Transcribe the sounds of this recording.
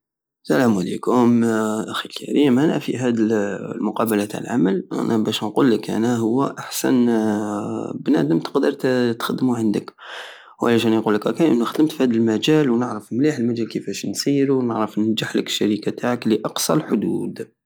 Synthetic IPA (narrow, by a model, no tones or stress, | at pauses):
sælæmalḛkʊmʔæxilkʰæ̰ɾiːmʔænæ̰fḭɦæd̪əlmʊqɑbəlæt̪ʕalʕaməlʔæ̰nʔæbæʃnqulːəkʔæ̰næɦʊwːæʔaħsæ̰n | bnæ̰d̪əmt̪ə̥qd̪əɾˤt̪t̪xad̪ːmuʕənd̪ək | walæʃænqulːəkakæʔənːuxd̪əmt̪fihæd̪əlmæd͡ʒælwnəʕɾəfmliħəlmæd͡ʒælkəfæʃnsiɾunəʕɾəfnæd͡ʒəħləkə̥ʃːaɾikat̪aʕəkliʔɑqsˤɑlħʊd̪uːd̪